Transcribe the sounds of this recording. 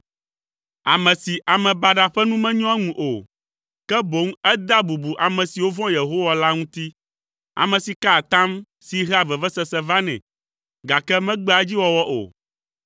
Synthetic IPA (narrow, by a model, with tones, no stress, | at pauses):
a̰˨mɛ̃˨si˨ʔa˨mɛ̃˨ba˨ɖa˨ɸɛ˦nũ˦mɛ̃˦ɲɔ̃˦ɛ˦ŋũ˨ʔo˨ | kɛ˦bo˨˦ŋ˦ɛ˦d̪a˦bu˨bu˨ʔa˨mɛ̃˨si˨wo˦vɔ̃˦je˨ɦo˦wa˨la˦ŋũ˦t̪i˦ | a̰˨mɛ̃˨si˨ka˦˨t̪ã˦m | si˨ɦa˦˨vɛ˨vɛ˦sɛ˦sɛ˨va˦nɛ̰̃˨ | ɡa˨kɛ˦mɛ̃˦ɡ͡bɛ˦a˨d͡ʑi˦wɔ˦wɔ˦ʔo̰˨